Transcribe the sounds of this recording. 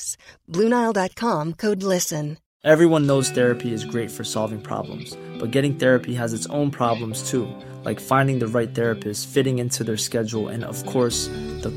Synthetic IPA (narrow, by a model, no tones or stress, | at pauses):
sb̥lʉ̃naɪlˠdɑt̚kʰɑ̃mkʰoʊdˡlɪsɨ̃n | ʔɛvɹiwʌ̃nːoʊz̥θɛɹɨpʰiɨzɡɹeɪtfə˞sɑlˠvɪ̃ŋpʰɹ̥ɑ̰blə̰̃mz̥b̥ʌt̚ɡ̥ɛɾɪ̃ŋθɛɹɨpʰiəzɨtsõ̰ʊ̃npʰɹ̥ɑblə̃mz̥tʰu | laɪkfãɪ̃ndɪ̃ŋðɨɹaɪt̪̚θɛɹɨpʰɨstsfɪɾɪ̃ŋɪ̃ntʰʉðə˞skɛd͡ʒl̩ˠɨ̰̃nʌ̰v̥kʰɔɹsðə